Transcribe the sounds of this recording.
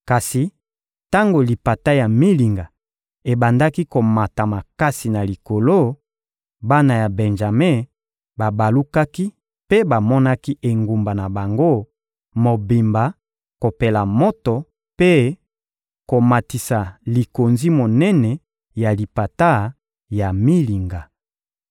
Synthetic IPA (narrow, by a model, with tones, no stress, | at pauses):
ka˨si˨ | ta˦ŋɡo˨li˨pa˨ta˦ja˨mi˦li˨ŋɡa˨ | e˨ba˨nda˦ki˦ko˨ma˨ta˨ma˨ka˦si˨na˨li˨ko˨lo˦ | ba˦na˨ja˨bɛ˨nʒa˨me˦˨ | ba˨ba˨lu˦ka˦ki˦ | pe˦ba˨mɔ˦na˦ki˦ʔe˨ŋɡu˨mba˨na˨ba˨ŋɡo˦ | mo˨bi˨mba˨ | ko˨pe˨la˨mo˦to˨ | pe˦ | ko˨ma˨ti˨sa˨li˨ko˨nzi˦mo˨nɛ˦nɛ˨ | ja˨li˨pa˨ta˦ | ja˨mi˦li˨ŋɡa˨